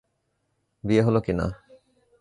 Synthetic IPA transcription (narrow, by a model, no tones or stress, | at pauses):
bieɦolokina̰